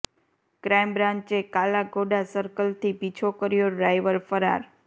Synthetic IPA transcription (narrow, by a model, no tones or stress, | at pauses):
kɾajmbɾãɲt͡ʃekalaɡoɖasəɾkəlt̪ʰibit͡ʃʰokəɾjoɖajʋəɾfəɾa̰ɾ